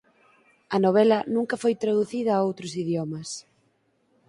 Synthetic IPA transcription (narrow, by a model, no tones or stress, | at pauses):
ɐnoβ̞ɛlɐnũŋkɐfojt̪ɾaðuθiðɐːowt̪ɾʊsiðjɔmɐs